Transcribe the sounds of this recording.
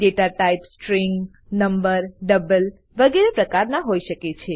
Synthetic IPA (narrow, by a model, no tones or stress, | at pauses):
ɖeʈaʈaipsʈɾiŋɡ | nəmbəɾɖəbəl | ʋəɡeɾepɾəkaɾnaɦoiʃəket͡ʃʰe